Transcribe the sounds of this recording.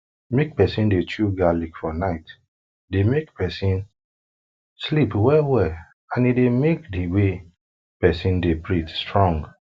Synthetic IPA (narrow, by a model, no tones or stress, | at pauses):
mek̚pɛsĩndet͡ʃuɡalikfɔnaɪt | demekpɛsĩn | slipwɛlwɛl | ãnidemekdiwe | pɛsĩndepɹitstɹɔ̃ŋɡ